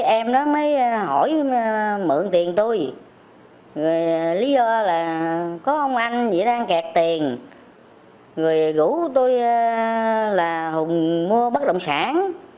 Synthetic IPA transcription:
ʔɛ˧mɗɔ˨˦məː˨˦jɦɔ˧˩j | mɨ̰˧˨əŋt̪i˨˩ənt̪o˧j | zɨ˨˩jli˨˦zɔ˧laː˨˩kɔ˨˦ʔə˧wŋ͡mʔa˧jŋ̟zḭ˧˩˥ɗaː˧ŋkɛ˨˩k̚t̪i˨˩ən | zo˨˩jɣṵ˧˥t̪o˧j | laː˨˩hʊ˨˩ŋ͡mmu˧əɓə˦˥k̚ɗə̰˧˨wŋ͡msa̰ː˧˩ŋ

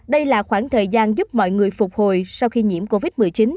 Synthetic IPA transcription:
ɗə˧jlaː˨˩xwaː˧˩ŋt̪ʰəː˨˩jzaː˧nzʊ˦˥p̚mɔ̰˧˨jŋɨ˨˩əjfʊ˨˩k͡p̚ho˨˩jsa˧wxi˧ɲi˧˥əmko˧vi˦˥t̚m˨˩əjt͡ɕi˨˦n

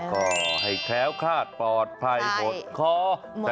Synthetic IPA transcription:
kɔː˥˩ɦa˥˩jkʰlɛː˦˥wkʰaː˥˩t̪̚pɔː˨˩t̪̚pʰa˧˩jpʰo˨˦nkʰɔː˧˥˧

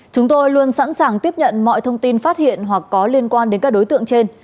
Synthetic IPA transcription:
t͡ɕʊ˨˦ŋ͡mt̪o˧jlu˧ənsa̰ː˧˥nsaː˨˩ŋt̪i˦˥əp̚ɲə̰˧˨nmɔ̰˧˨jt̪ʰə˧wŋ͡mt̪i˧nfaː˦˥t̚hḭ˧˨ənɦwa˨˩kːɔ˨˦li˧ənkwaː˧nɗe˨˦nkaː˦˥k̚ɗo˨˦jt̪ɨ̰˧˨əŋt͡ɕe˧n

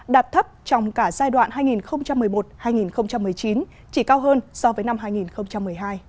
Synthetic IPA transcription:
ɗaː˨˩p̚t̪ʰə˦˥p̚t͡ɕɔ˧wŋ͡mkaː˧˩zaː˧jɗwa̰ː˧˨nhaː˧jŋi˨˩nxə˧wŋ͡mt͡ɕa˧mːɨ˨˩əjmo˨˩t̚haː˧jŋi˨˩nxə˧wŋ͡mt͡ɕa˧mːɨ˨˩əjt͡ɕi˨˦n | t͡ɕi˧˩kaː˧wɦəː˧nsɔ˨˧˦vəː˨˦jna˧mɦaː˧jŋi˨˩nxə˧wŋ͡mt͡ɕa˧mːɨ˨˩əjɦaː˧j

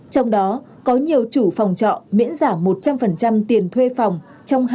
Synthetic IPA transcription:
t͡ɕɔ˧wŋ͡mɗɔ˨˦ | kɔ˨˦ɲi˨˩əwt͡ɕu˧˩fa˨˩wŋ͡mt͡ɕɔ̰˧˨mḭ˧˥ənzaː˧˩mo˨˩t̚t͡ɕa˧mfə˨˩nt͡ɕa˧mt̪i˨˩ənt̪ʰwe˧fa˨˩wŋ͡m | t͡ɕɔ˧wŋ͡mɦ

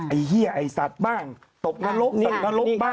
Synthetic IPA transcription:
ʔa˨˩jhi˥˩ɐʔa˨˩jsa˨˩t̪̚baː˥˩ŋ | t̪o˨˩k̚na˧˥lo˦˥p̪o˨˩k̚na˧˥lo˦˥aː˥˩

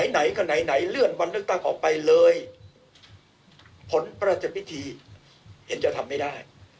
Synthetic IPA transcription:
na˨˦jna˩˦jkɔː˥˧˩na˩˦jna˩˦jlɯ˥˩ənwa˧nlɯ˥˩ək̚t̪a˥˩ŋʔɔː˨˩k̚pa˧jlɤː˧j | pʰo˨˩˦npɾːt̪̚t͡ɕa˨˩wi˦˥t̪ʰiː˧ | he˩˦nt͡ɕa˧t̪ʰa˧mːa˥˩jdaː˥˩j

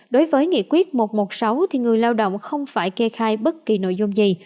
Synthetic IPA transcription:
ɗo˨˦jvəː˨˦jŋḭ˧˨əkwi˦˥ət̚mo˨˩t̚mo˨˩t̚sa˨˦wt̪ʰi˨˩ŋɨ˨˩əjlaː˧wɗo̰˧˨wŋ͡mxə˧wŋ͡mfaː˧˩jkɛ˧xaː˧jɓə˦˥t̚ki˨˩no̰˧˨jzʊ˧ŋ͡mzi˨˩

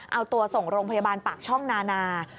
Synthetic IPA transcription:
ʔa˧wt̪u˧ɐso˨˩ŋɾoː˧ŋpʰa˧jaː˧baː˧npaː˨˩k̚t͡ɕʰɔ˥˩ŋnaː˧naː˧

